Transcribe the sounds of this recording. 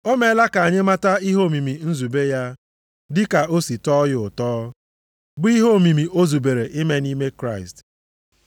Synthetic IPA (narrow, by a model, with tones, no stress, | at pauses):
o˦me˨˦la˦ka˨a˨ɲe˦ma˦ta˦i˦ɦo˦˨mi˨mi˨n̩˦zu˨be˦ja˦ | dɪ˦ka˨o˦si˨tɔ˦jʊ˨tɔː˦ | bʊ˦i˦ɦo˦˨mi˨mi˨ʔo˦zu˨be˨ɾe˨ʔɪ˦me˦ni˦me˦kɾa˦˨ɪ˨st